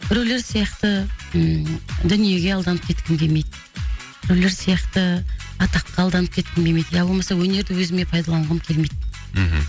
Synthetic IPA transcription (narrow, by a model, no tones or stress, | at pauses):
b̥ɪɾewle̞ɾsijɑqt̪ə | d̪ʏnije̞ɡʲe̞ɑlˠd̪ɑnəp̚kʲʰe̞t̪kʲɪnbʲe̞mejd̪ | b̥ɪɾewleɾsijɑqt̪əɑt̪ɑqːɑːlˠd̪ɑnəp̚kʲʰe̞t̪kʲɪnbe̞mejd̪jɑbo̞lˠmɑsɑwɵne̞ɾd̪ɪwɵzɪme̞pʰɑjd̪ɑlˠɑɴʁɑkʲʰe̞lme̞jd̪̩